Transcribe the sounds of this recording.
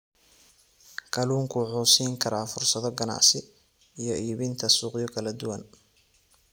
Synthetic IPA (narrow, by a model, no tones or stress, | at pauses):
kʰɐluːŋkʰʊħʊːsiːŋkʰɐɾaːfʊrsɐðɔɡɐna̰ʕsɪ | ijɔʔiːβɪnt̪ʰɐsuːqjɔkʰɐlɐd̪ʊwɐn